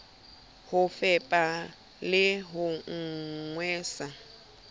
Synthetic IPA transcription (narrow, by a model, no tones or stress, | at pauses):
hʊfɛpʼa | lɪɦʊŋ̩ŋwɛːsa